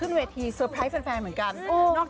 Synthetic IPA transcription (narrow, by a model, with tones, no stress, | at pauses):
ɯ˥˩nweː˧t̪ʰiː˧sɤː˧˩pʰɾa˦˥pe˧nfɛː˧nmɯ˩˦ənka˧nʔoː˧˩nɔː˥˩k̚